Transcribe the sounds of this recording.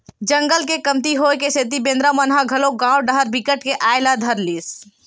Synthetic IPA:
d͡ʒə̃ŋɡəlkekɐmt̪iɦoːekeset̪ibẽːnd̪ɾamənɦaɡʱɐloɡãːwɖəɦəɾbikəʈkeʔaːɪlad̪ʱəɾliːs

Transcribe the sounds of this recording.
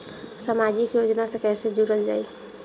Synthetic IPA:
samad͡ʒikjod͡ʒnasẽkɛsed͡ʒuɾəld͡ʒaːj

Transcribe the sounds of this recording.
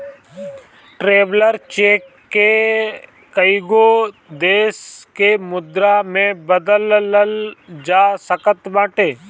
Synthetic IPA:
ʈɾeːʋləɾt͡ʃeːkːe | kəɪɡoː | d̪eːskemʊd̪ɾamẽbəd̪əlləld͡ʒaːsəkət̪bãːʈeː

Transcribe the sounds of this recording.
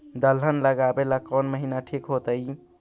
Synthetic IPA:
d̪əlɦənləɡabelakənməɦinaʈʰikɦot̪əj

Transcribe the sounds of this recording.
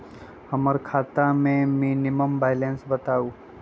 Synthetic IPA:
hɐməɾkʰaːt̪amẽmiːnɪməmbaːɪlẽnsbɐt̪aːuː

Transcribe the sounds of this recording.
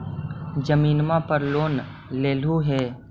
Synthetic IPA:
d͡ʒəmiːnmapəɾloːn | leːluɦɛː

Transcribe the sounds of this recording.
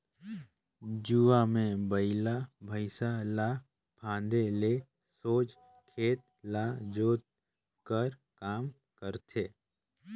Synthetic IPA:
d͡ʒuamẽbəɪlabʱəɪsalaː | pʰãːnd̪ele | soːd͡ʒ | kʰeːt̪̚ | laːd͡ʒoːt̪̚ | kəɾkaːm | kəɾt̪ʰeː

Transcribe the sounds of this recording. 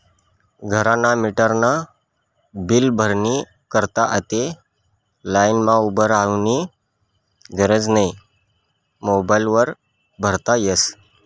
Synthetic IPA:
ɡʱəɾanamiʈəɾna | bilbʱəɾni | kəɾt̪aʔət̪e | lajnmãubəɾaʋni | ɡʱəɾəd͡znaj | mobajlʋəɾ | bʱəɾt̪ajes

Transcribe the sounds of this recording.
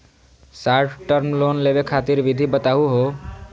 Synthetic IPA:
saɾʈʈəɾmlonlebekʰat̪iɾʋid̪ʱibət̪aɦuɦo

